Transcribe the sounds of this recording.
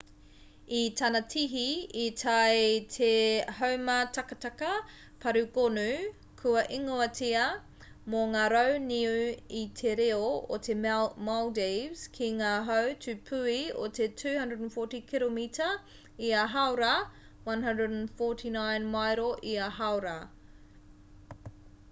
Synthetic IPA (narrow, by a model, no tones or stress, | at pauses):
itʰɐnɐtʰiɦiːtʰajtʰeɦɐwmɐtʰɐkɐtɐkɐ | pʰɐɾukonu | kʰuɐʔiŋoɐtiɐ | moŋaːɾowniuitʰeɾeoo̰tʰemaldejvz̥kʰiŋaːɦɐwtʉpʰʉio̰t̪ʰetʰʉːhɐ̃ndɹədnfotikʰilomitʰɐ | iaɦɐwɾɐ | wɐnɦɐ̃ndɹədnfotʰinajnmajɾoʔiaɦawɾɐ